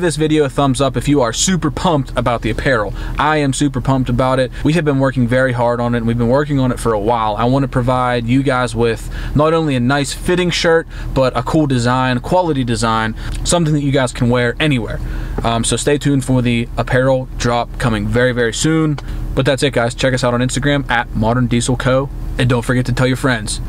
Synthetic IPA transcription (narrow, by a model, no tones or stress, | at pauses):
ðɪsvɪɾioʊθʌ̃mzʌpɨfjɨə˞sʉpə˞pʰʌ̃mp̚tʰəbaʊt̪̚ðiɨpʰɛɹl̩ˠʔaɪɨ̃msʉpə˞pʰʌ̃mp̚təbaʊɾɪt̚wiɨvbɨ̃nwɜ˞kɪ̃ŋvɛɹiɦɑɹɾn̩ɪɨtn̩wivbɨ̃nwɜ˞kɪ̃ŋə̃ñɨtfə˞əwaɪlˠa̰ɪwɑ̃nɨpʰɹ̥ɨvaɪdjɨɡaɪzwɪð̥ | nəɾõʊ̃nliɨnaɪsfɪɾɪ̃ŋʃɜ˞t̚b̥ʌɾəkʰulˠdɨzãɪ̃nəkʰw̥ɑlˠəɾidɨzãɪ̃nsʌ̃mθɪ̃ŋðɨt͡ʃɨɡaɪz̥kʰn̩wɛɹɛniwɛ̰ɹsoʊsteɪtʰʉ̃nfə˞ðiəpʰɛɹl̩ˠdɹɑp̚kʰʌmɪ̃ŋvɛɹivɛɹisʉ̃nb̥ʌt̪̚ðætsɨt̚ɡ̥aɪz̥t͡ʃʰɛkʌsaʊɾn̩ɪ̃nstɨɡɹæ̃mɨt̚mɑɾə̃˞ndisl̩ˠkʰoʊɨ̃ndõʊ̃ntfə˞ɡɛtʰɨtʰɛlˠjə˞fɹɛ̃ndz̥